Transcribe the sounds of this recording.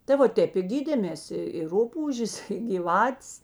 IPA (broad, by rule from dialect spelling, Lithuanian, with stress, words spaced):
tɐ ʋɐ ˈtʲeːp ɪ ˈɡʲiːdʲeːmʲeːs ɪ ɪ ˈrʊpuːʒʲeːs ɡʲiːˈʋɑːtʲeːs